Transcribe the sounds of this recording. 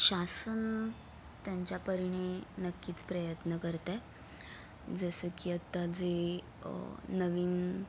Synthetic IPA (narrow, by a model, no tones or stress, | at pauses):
ɕasən | t̪jãɲt͡ɕjapəɾiɳ̃enəkːiːt͡spɾəjət̪nəkəɾt̪a | d͡zəsəkiət̪ːad͡ze | nəʋiːn